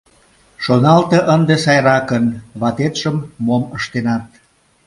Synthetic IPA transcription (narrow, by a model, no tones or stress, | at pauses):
ʃonɑlt̪eʔənd̪esɑjɾɑkənβɑt̪et̪ʃəmːoməʃt̪enɑt̪̚